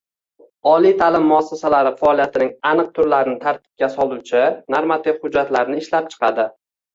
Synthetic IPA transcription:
ɒlˠit̪ʰalɪmːʊasːasalaɾɪfaːlˠijat̪ʰɪnɪŋanɨq̚t̪ʰʊɾlaɾɪnɪt̪ʰaɾt̪̚ʰɪ̥p̚kʲasɒlˠʊt͡ʃʰɪnaɾmat̪ʰɪvhʊd͡ʒːat̪laɾnɪɪʃlap̚t͡ʃʰɨ̥qɑd̪ɪ

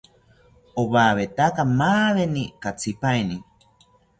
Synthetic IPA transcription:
oβaːβet̪akamaːβenikat͡sʰipaeni

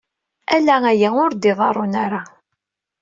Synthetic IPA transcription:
ælææjæʊɾd̪ɪðˤɑɾˤonaɾa

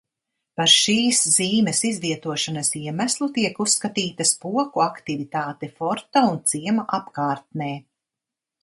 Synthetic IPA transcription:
paɾʃiːsz̥iːmɛsizviɛt̪uɔʃanɐsiɛmæslˠut̪iɛkusːkat̪iːt̪ɐspuɔkuakt̪ivit̪aːt̪ɛfɔɾt̪aunt̪siɛmaʔapkaːɾt̪̚nɛː

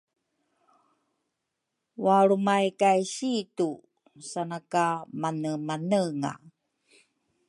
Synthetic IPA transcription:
waɾumajkajɕitu | sanakamanəmanəŋa̰

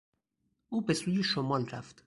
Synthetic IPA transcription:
ʔuːbe̞suːjeʃomɒːlræ̰ft̪

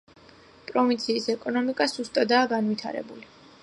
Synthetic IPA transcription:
pʼɾɔvint̪sʰiːsɛkʼɔnɔmikʼasz̥ust̪ʼad̪aːɡanvit̪ʰa̰ɾɛ̰buli

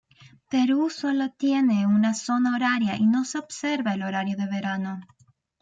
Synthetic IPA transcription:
pe̞ɾuso̞lot̪je̞neunaso̞naoɾaɾjaʔino̞se̞obse̞ɾβaelo̞ɾaɾjoðe̞βe̞ɾano̞

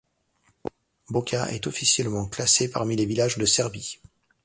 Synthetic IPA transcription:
bɔkʰʲaʔɛ̰t̪ɔfisjɛlmɑ̃klasepa̰ʁmilevilaʒd̪əsɛʁbi

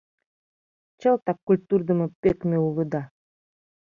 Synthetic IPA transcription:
t͡ɕɤlˠt̪ɑkːulʲt̪urd̪əmɤpːekmʲeulˠɯd̪ɑ

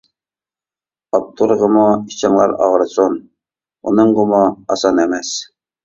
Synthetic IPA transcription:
ɑp̚t̪ʰːuɾʁəmuit͡ʃʰɑŋlˠɑ̰ɾɑ̰ʁɾsun | ṵnɨŋɡʊmoɑsɑnemɛs

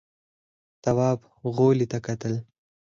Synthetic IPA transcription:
t̪awɑːb | ɣolit̪akat̪əl

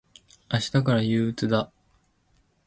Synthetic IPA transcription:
aɕi̥t̪akaɾajɯːɯt͡sɨd̪a

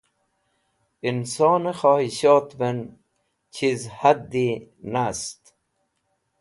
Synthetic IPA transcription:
insɑːnexɑːhiɕɑːt̪ben | t͡ɕʰizhad̪ːi | nast̪

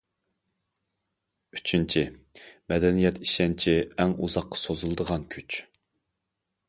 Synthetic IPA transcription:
yt͡ʃʰynt͡ʃʰimɛd̪ɛnijɛt̪ʰiʃɛnt͡ʃʰiɛŋṵzɑqːɑ̥sozulˠɨd̪əʁɑnkʲʰyt͡ʃ

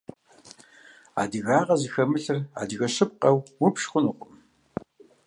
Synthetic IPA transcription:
a̰ːdɨɣaːʁɐzɨxɐmɨɬɨra̰ːdɨɣɐɕɨp̚qɐwwʊpʃxʷʊnuqʷʼʊm

